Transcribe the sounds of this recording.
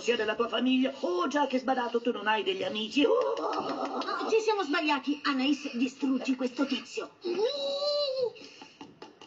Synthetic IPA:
siːad̪elːat̪uːafamiʎːaod͡ʒakːɛzbad̪aːt̪ot̪unːonajd̪eʎːiamiːt͡ʃi | t͡ʃisjamozbaʎːaːt̪ianːaisd̪ist̪ɾut̪ːikwest̪ot̪it̪sːjo

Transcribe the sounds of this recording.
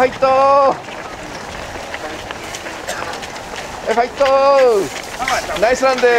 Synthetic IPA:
ajt̪ːo | efajt̪ːo | najsland̪e

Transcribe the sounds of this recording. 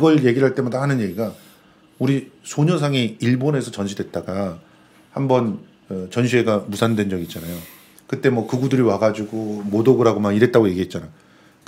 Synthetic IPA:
ɡʌɭje̞ɡiɾɭɦaɭt͈e̞madahanɯnje̞ɡiɡa | uɾisʰoɲʌsʰaŋiiɭbone̞sʰʌt͡ɕʌnɕʰidwe̞t̚t͈aɡa | hambʌn | ɯt͡ɕʌnɕʰie̞ɡamusʰandwe̞nd͡ʑʌɡit͡ɕ͈anajo | kɯt͈e̞mwʌkɯɡudɯɾiwaɡad͡ʑuɡomodoɡɯɾɦaɡomaniɾe̞t̚t͈aɡoje̞ɡiɦe̞t̚t͡ɕ͈anajo

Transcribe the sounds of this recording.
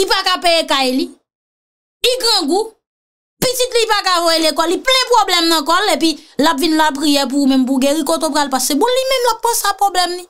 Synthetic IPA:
ipakapejekajli | ɡãɡu | pitit̪lipakavɔjelekɔlːiplɛ̃pɣoblɛmnɐ̃kɔlepilapvinlap̬ɣijɛp̬uumɛ̃mp̬uɡẽɣikot̪op̬ɣalpaskemũnlimɛ̃mlap̚kãsapɣoblɛmli

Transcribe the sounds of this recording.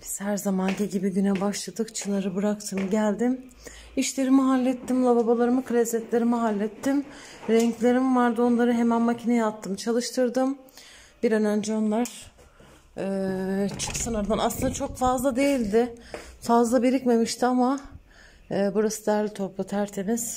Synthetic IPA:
biz̥hæɾzamanɟiɟibibynɛbaʃlˠad̪ɯkt͡ʃʰɯnˠaɾɯbɯɾakt̪ʰɯmɟælʲd̪im | iʃlʲe̞ɾimiɦalʲːɛt̪ʰːimlˠababalˠaɾɯmɯkʰɯɾʲɛzɛt̪lʲe̞ɾimiɦalʲːɛt̪ʰːim | ɾɛɲclʲe̞ɾimvaɾd̪ɯo̞nlˠaɾɯɦe̞mænmacʰinɛjat̪ʰːɯmt͡ʃʰalˠɯʃt̪ʰɯɾd̪ɯm | b̥iɾønænd͡ʒionlˠaɾ̥ | ɛːt͡ʃʰɯ̥ksɯnaɾd̪anaslˠɯnd̪at͡ʃʰo̞kfazlˠad̪e̞jilʲd̪ɪfazlˠabiɾicme̞miʃt̪ʰiama | buɾasɯd̪æɾlʲit̪ʰo̞plˠat̪ʰæɾt̪ʰemiz̥

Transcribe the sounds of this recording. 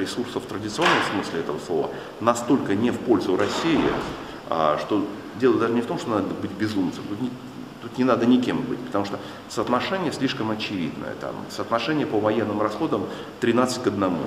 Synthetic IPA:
ɾʲɪsursəft̪ɾədʲɪt̪sɨonːəmsmɨsʲlʲɪɛt̪əvəslˠo̞və̰ | nɐst̪o̞lʲkənʲɪfpo̞lʲzʊɾɐsʲːiɪ̰ | ʂt̪o̞ | dʲelˠəd̪aʐənʲɪft̪o̞mʂt̪onad̪əbɨtʲbʲɪzumt̪sɨmt̪ut̪nʲɪ | t̪ut̪nʲɪnad̪ənʲɪkʲe̞mbɨtʲpə̥t̪ɐmuʂt̪o | səːt̪nɐʂɛnʲɪjəsʲlʲiʂkəmɐt͡ɕɪvʲḭd̪nə̰jə̰t̪a̰msəːt̪nɐʂɛnʲɪjəpəvɐjenːɨmɾɐsxo̞d̪əm | t̪ɾʲɪnat̪sɨ̥tʲkəd̪nɐmṵ

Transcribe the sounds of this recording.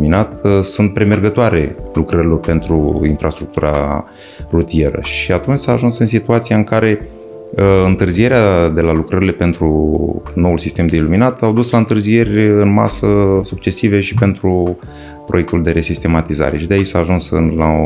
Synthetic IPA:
minat̪sunt̪̚pɾe̞me̞rɡət̪oaɾe̞lukɾəɾilo̞rpe̞nt̪ɾuinfɾʔast̪ɾuk̚t̪uɾʔa̰ | rut̪ie̞ɾə̰ʃiat̪unt͡ʃʲsaːʒunsɨnsit̪uat̪sijaɨŋkaɾe̞ | ɨnt̪ɨrzije̞ɾead̪e̞lalukɾəɾilepe̞nt̪ɾuno̞ulsist̪e̞md̪e̞iluminat̪awd̪uslaɨnt̪ɨrzije̞rʲɨnma̰səsuk̚t͡ʃe̞sive̞ʃipe̞nt̪ɾu | pɾo̞je̞k̚t̪uld̪e̞ɾe̞sist̪e̞mat̪iza̰ɾe̞ʃid̪eait͡ʃʲsaːʒunsɨ̰nla

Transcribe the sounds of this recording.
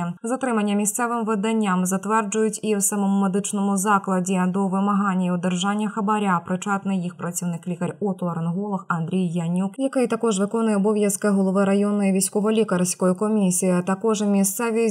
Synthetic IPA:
zat̪ɾɨmɐnʲːɐmʲisʲt̪sɛvɨmvɨd̪anʲːamzat̪vɛrd͡ʐʊjut͡sʲiwsamɐmumɛd̪ɨt͡ʂnɐmuzaklˠɐd͡zʲɛd̪ɔvɨmaɦanʲːiwd̪ɛrʐanʲːɐxɐbaɾʲapɾɨt͡ʂat̪nɨjixpɾɐt͡sʲiwnɨklʲikɐrʲɔt̪lˠɐɾɨnɦɔlˠɐxand̪ɾʲɛjːanʲukjakajt̪akɔʐvɨkɔnʊjɛɐbɔvʲjɐskɐɣulˠɔvaɾajɔnːɐjɐvʲasʲkɔvɐlʲikɐɾsʲkɔjukɔmʲisʲijiɐt̪akɔʐɐmʲisʲt̪sɛvʲi

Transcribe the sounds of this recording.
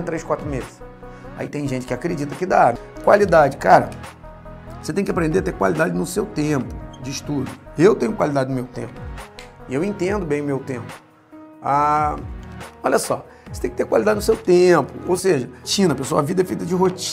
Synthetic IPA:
t̪ɾejskwat̪ɾʊmezɪʃ | a̰it̪ẽj̃ʒẽt͡ʃɪ̥kɪakɾed͡ʒit̪ɐkɪd̪akwalid̪ad͡ʒɪkaɾɐ̰ | oset̪ẽj̃kɪapɾẽnd̪eɾat̪ekwa̰lid̪ad͡ʒɪnʊsewt̪ẽpʊ̥d͡ʒɪːʃt̪ud̪ʊewt̪ẽɲ̃ʊkwalid̪ad͡ʒɪnʊmewt̪ḛ̃pʊɪewẽt̪ẽnd̪ʊbẽj̃ʊmewt̪ẽmpʊ̥ | a | ɔlʲɐsɔ̰ | oset̪ẽkɪt̪eɾkwalid̪ad͡ʒɪnʊsewt̪ẽpʊowseʒɐt͡ʃĩnɐpesoɐavid̪ɐɛfejt̪ɐd͡ʒɪɦot͡ʃ

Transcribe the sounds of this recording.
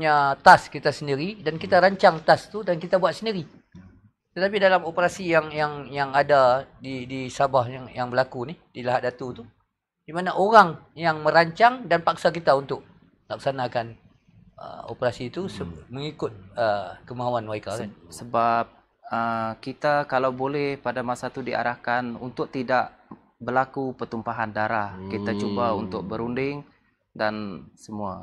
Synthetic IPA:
pɲat̪askit̪asəndiɾidankit̪aɾaɲt͡ʃaŋt̪ast̪udankit̪abuat̪̚səndiɾi | t̪ət̪ap̬idalamopəɾasijaŋjaŋjaŋadadidisabahjaŋjaŋbəlakunihdilaɦadat̪ut̪u | dimanaʔoɾaŋjaŋmə̃ɾaɲt͡ʃaŋdanpak̚sak̬it̪aunt̪ʊk̚ | lak̚sanakan | ə̰o̰pəɾasit̪usəməŋikʊt̪̚əkəmaɦuanwaikakansəbap̚ | əkit̪akalawbolɛhpadamasat̪udiʔa̰ɾahkanunt̪ʊk̚t̪idaʔ | bərlakupət̪umpaɦandaɾahkit̪at͡ʃubaunt̪ʊk̚bəɾundɪŋ | dansəmua̰

